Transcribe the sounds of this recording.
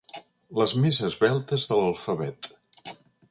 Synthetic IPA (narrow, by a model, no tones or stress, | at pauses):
ləzmezəzβɛlˠt̪əzðələlˠfəβɛt̪